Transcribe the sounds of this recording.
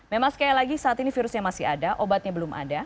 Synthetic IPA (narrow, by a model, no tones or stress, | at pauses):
memaŋsə̥kajalaɡisaat̪inifiɾʊsɲamasɪhadaʔobat̪̚ɲabəlʊmʔa̰da